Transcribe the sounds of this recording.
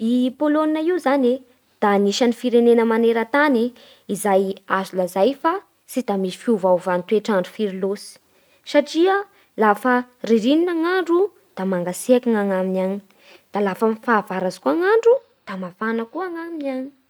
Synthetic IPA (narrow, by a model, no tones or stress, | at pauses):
ipoloninaiuzane | d̪̥aniʃanifiɾenenəmaneɾat̪ani | izajazulazajfa | sid̪amisifiuvawvant̪ueʈ͡ʂaɳɖ͡ʐufiɾilosi̥ | saʈ͡ʂiə | lafəriɾininaŋaɳɖ͡ʐu | d̪̥amaŋɡasiakaŋaŋaminaɲi̥ | d̪̥alafəfaːvaɾazi̥kuaŋaɳɖ͡ʐu | d̪̥amafanəkuaŋaminaɲi̥